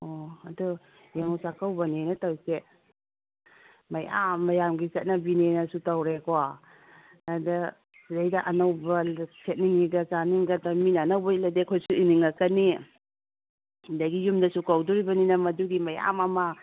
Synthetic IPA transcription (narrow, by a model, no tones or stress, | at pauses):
oɐdu | jaŋusakawbɐnenɐtawse | mɐja̰mːɐjamɡiset̚nɐbinenɐsutawɾekoa | adɐ | zajdɐʔɐnɐwbɐsʰet̚niŋːiɡɐzaniŋɡɐtaminaːnɐwbɐiladekʰojsuiniŋakɐni | hundɐɡijumdɐsukawduɾibɐninɐmɐduɡimɐja̰mɐmɐ